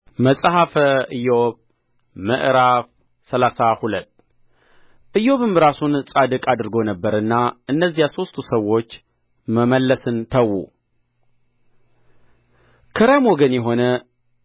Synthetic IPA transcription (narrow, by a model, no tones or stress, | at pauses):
məsʼhafəɨjoβ | mə̰ʔɾaf | səlasahulət̪ː | ʔɨjo̞βɨmɨɾasunsʼad̪ɨkʼad̪ɨɾɡo̞nəbːəɾɨnːaʔɨnːəzːijaso̞st̪ʰusəwːo̞t͡ʃː | məməlːəsɨnt̪ʰəwːṵ | kʰəɾamwoɡənjɛɦo̞nə